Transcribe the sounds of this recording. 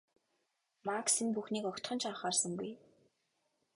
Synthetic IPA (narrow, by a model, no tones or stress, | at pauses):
maksinpuxniːkɔkʲt̪χɞ̆nt͡ɕʰaːχaːrsə̆ŋɡuj